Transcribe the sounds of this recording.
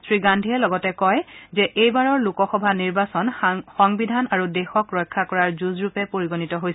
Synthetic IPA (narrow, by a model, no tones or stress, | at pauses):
sɹiɡandʱiɛlɔɡɔtɛkɔjzɛʔejbaɹɔɹlukɔxɔbʱaniɹbasɔnxɔŋbidʱanaɹudexɔkɹɔjkʰːakɔɹaɹzuzɹupɛpoɹiɡonitɔɦojs